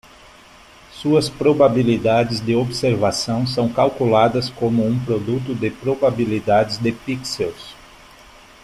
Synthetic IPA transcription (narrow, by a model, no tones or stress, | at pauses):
suɐspɾobabilid̪ad͡ʒɪzd̪ɪobseɾvasɐ̃w̃s̬ɐ̃w̃kawkulad̪ɐskõmʊũpɾod̪ut̪ʊd̪ɪpɾobabilid̪ad͡ʒɪzd̪ɪpiksews